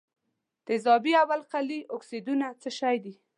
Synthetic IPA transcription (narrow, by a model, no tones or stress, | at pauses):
d̪̥əzɑbiawalqaliʔʊksid̪unat͡səʃajd̪i